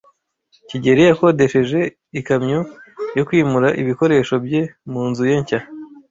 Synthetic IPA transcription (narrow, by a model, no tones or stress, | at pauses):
ciɟe̞ɾijako̞de̞ʃe̞ʒe̞ | ikamɲojokwiːmuɾaʔiβiko̞ɾe̞ːʃo̞bje̞muːnzuje̞ɲca